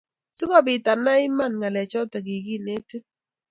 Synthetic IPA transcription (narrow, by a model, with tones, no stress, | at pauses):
su˦kɔ˦bɪ˨ta˨na˦ɪ˦ma˦˨nŋa˨lɛ˨t͡ʃɔ˦ta˨ɡi˨ɡi˦˨ne˦te˦